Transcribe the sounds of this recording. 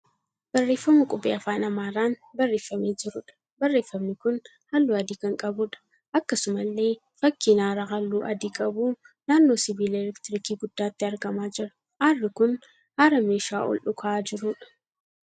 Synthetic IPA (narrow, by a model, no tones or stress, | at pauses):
b̥ɐrːeːfːɐmʊkʼʊbʼeːɐfaːnɐmaːɾaːnbɐrːe̞ːfːɐmeːd͡ʒɪɾʊᶑɐ̥ | bɐrːe̞ːfːɐmnɪkʊn | hɐlːuːɐd̪iːkɐŋkʼɐbʊᶑɐ̥ | ʔɐkːɐsʊmɐlːe̞ː | fɐkːiːnaːɾaːɦɐlːuːʔɐd̪iːkʼɐbuː | naːnːoːsɪbiːlelɪkt̪ɪɾɪkiːɡʊd̪ːaːt̪ːɪɐɾɡɐmaːd͡ʒɪɾɐ̥ | haːrːɪkʊn | haːɾɐmeːʃaːʔɔ̰lʔʊkʰɐaːd͡ʒɪɾʊᶑɐ̥